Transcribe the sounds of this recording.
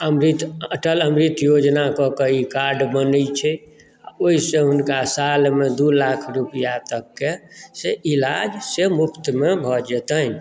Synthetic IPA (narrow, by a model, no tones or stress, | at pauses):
əmɾit̪əʈələmɾit̪jod͡ʒnakɔkəikaɾɖbənət͡ʃʰɛ | a̰oisẽɦunkasalmed̪ulakʰɾupijat̪əkːeseʔilad͡ʒsemukt̪mebʱɔd͡ʒɛt̪ən